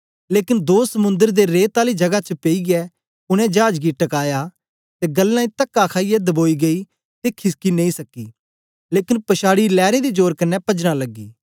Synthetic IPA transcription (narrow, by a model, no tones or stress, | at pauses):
leːkɪnd̪oːsəmʊ̃nd̪əɾd̪eɾeːt̪aːlid͡ʒɐɡat͡ʃəpeiɡɛː | ʊɽ̃ɛ̃d͡ʒaːd͡ʒɡiʈɐkaːja | t̪eɡɐlːãːĩt̪ɐkːakʰaːijɛd̪əboːiɡɐi | t̪ekʰɪskinẽĩsɐkːiː | leːkɪnpɐʃaːɽilɛːɾed̪id͡ʒoːɾkɐnːɛpɐd͡ʒñalɐɡːḭː